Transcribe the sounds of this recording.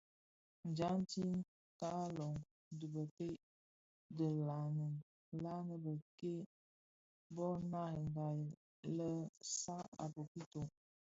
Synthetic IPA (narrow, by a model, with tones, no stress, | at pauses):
n̩˨d͡ʒa˨˦n˦ti˦n | ka˦lo˨ŋ | də˨bə˨pe˦ | də˨la˨ŋə˨ | la˦ŋə˦bə˨ke˦ | bɔ˦na˦˨ŋɡa˨ | lə˦sa˦a̰˨po˨pi˦to˨